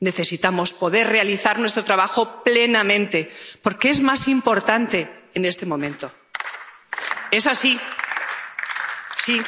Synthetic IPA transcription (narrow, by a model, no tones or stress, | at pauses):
ne̞θe̞sit̪amo̞spo̞ðe̞ɾre̞aliθaɾnwet̪ɾot̪ɾaβaxo̞ple̞namẽ̞nt̪e̞po̞ɾkeezmasimpo̞ɾt̪ant̪e̞ːne̞st̪e̞mõ̞mẽ̞nt̪o̞ | e̞sasi | si